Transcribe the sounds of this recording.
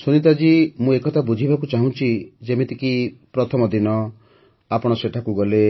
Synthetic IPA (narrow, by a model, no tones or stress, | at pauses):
sonit̪̬ad͡ʒimũekɔt̪ʰabud͡ʒʱibʱakut͡ʃaɦũt͡ʃʰid͡ʒemet̪ikipɾɔt̪ʰɔmɔd̪inɔ | apɔɽ̃ɔseʈʰakuɡɔle